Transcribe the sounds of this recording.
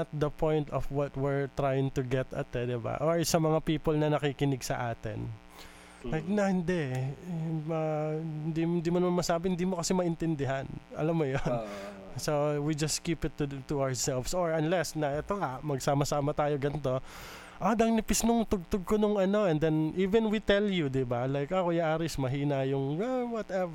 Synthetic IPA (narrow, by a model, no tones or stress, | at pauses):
ɐt̪̚d̪ɐpʰõjnt̪ɔfwɔt̪̚wɪɹt̪ɾajɪŋt̪ʊɡɛt̪ɐ̰t̪̚ːɛd̪ɪba̰ʔoɹsɐmɐŋapiːpolnɐnɐkiːkɪnɪɡsɐʔaːt̪ɪ̰n | lajk̚nɐhɪnd̪ɛʔ | mɐɪnd̪ind̪iːmɐnmanmɐsaːbɪhɪnd̪iːmokɐsɪmɐʔɪnt̪ɛnd̪ɪɦanɐ̰lamːojon | sowid͡ʒɐst̪kipɪt̪ːut̪uaɹsɛlvsoɹɐnlɛsnɐɛt̪oŋamɐɡsaːmɐsaːmɐt̪aːjoɡɐnt̪o̞ | ʔod̪ɐŋnɪpɪsnʊŋt̪ʊɡ̚t̪ʊɡ̚konʊŋɐno̞ɛnd̪ɛnʔiːvɛnwit̪ɛljud̪ɪbalajkɐkojaʔaɾɪsmɐɦiːnɐjʊŋɛwɔt̪ɛv